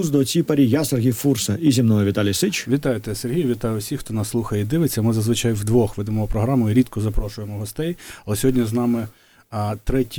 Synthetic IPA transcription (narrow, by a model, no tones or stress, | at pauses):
uzd̪ɔt͡sʲipɐɾʲijaserɦʲijfursɐizʲimnɔjɔʋʲit̪ɑlʲijsɪt͡ʃʋʲit̪ɑjʊt̪ɛserɦijʊʋʲit̪ɑjʊsʲixt̪ɔnɑsːlˠuxɐjed̪ɪʋet͡sʲːɐmɪzɐzʋɪt͡ʃɑjwd̪ʋɔxʋɪd̪ɪmɔpɾɔɦɾɑmʊjiɾʲid̪kɔzɐpɾɔʃʊjemɔɦɔst̪ɛjɐlˠɛsʲɔɦɔdʲnʲiznɑmɪ | t̪ɾɛtʲ